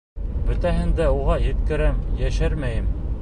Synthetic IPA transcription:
bɵ̆t̪æɦɘ̆nd̪æuʁɑjɘ̆t̪kɘ̆ɾæmjæʃæɾmæjɘm

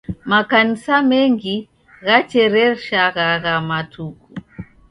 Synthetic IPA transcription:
makanisamɛŋɡi | ɣat͡ʃɛɾɛʃaɣaɣamatʰuku

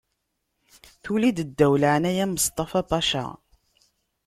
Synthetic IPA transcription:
θulid̪əd̪ːæwləʕənæjæməst̪ˤɑfɑbɑʃæ̰

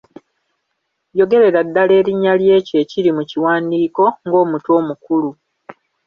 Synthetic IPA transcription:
jo̞ɡe̞ɾe̞ɾadːale̞ːɾiɲːalje̞ːce̞ːciɾimuciwaːndiːko̞ŋɡo̞ːmuto̞ːmukulu

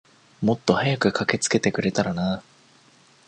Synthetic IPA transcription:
mo̞t̪ːo̞hajakɯ̟kʰake̞t͡sɨ̥ke̞t̪e̞kɯ̟ɾe̞t̪aɾanaː

